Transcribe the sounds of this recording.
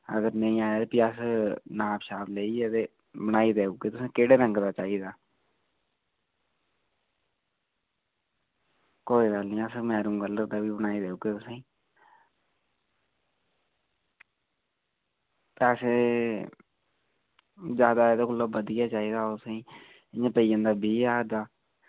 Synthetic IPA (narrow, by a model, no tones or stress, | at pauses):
ə̰ɡəɾnəĩːaːjaːpiːəsnaːbʃaːbleːiːɛt̪eː | bəñaːiːd̪eːuːɡeːt̪ʊsẽːkeːɽeːɾə̃ŋɡd̪aːt͡ʃaːiːd̪aː | koːiːɡəlnĩːəsmɛːɾũːɡəlːət̪d̪aːbiːbənaːiːd̪eːuːɡeːt̪ʊsĩː | p̪ːəseː | d͡ʒjaːd̪aːed̪oːkʊlːaːbəd̪ɪjaːt͡ʃaːiːd̪aːsẽː | ɪɲãːpəiːãnd̪aːbʱiːaːd̪aː